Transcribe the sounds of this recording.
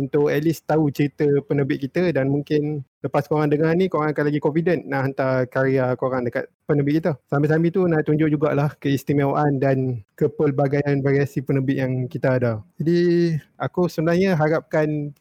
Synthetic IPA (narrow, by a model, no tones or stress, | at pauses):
unt̪ʊʔɛlist̪aut͡ʃəɾit̪əpənəbɪt̪̚kit̪ədanmuŋkɪnləpaskoɾaŋdəŋarnĩkoɾaŋakanlaɡikomfidənːaɦant̪akaɾiakoɾaŋdəka̰t̪̚pənəbɪʔ̚kit̪asamas̬amit̪unat̪uɲd͡ʒʊʔ̚d͡ʒuɡa̰ʔlahkəist̪imewʔandankəpəlbaɡajanbaɾiasipənəbɪʔjaŋkit̪aːdad͡ʒadiakusəbənahɲaɦaɾap̚kan